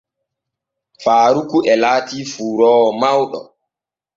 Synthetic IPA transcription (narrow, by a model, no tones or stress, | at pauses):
faːɾukuʔɛlaːtiːfuːɾɔːɔmawɗɔ̰